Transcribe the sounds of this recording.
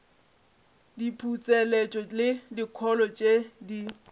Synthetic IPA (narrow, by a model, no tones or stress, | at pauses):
dipʰut͡sʼelet͡ʃʼɔlɪdikʰɔlɔt͡ʃʼedi